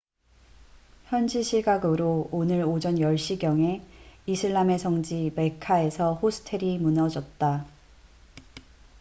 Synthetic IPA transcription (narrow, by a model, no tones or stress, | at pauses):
çjʌnd͡ʑiɕʰiɡaɡɯɾoonɯɾod͡ʑʌnjʌɭɕ͈iɡjʌŋe̞isʰɯɭːame̞sʰʌŋd͡ʑime̞kʰae̞sʰʌhosʰɯ̥tʰe̞ɾimunʌd͡ʑʌt̚t͈a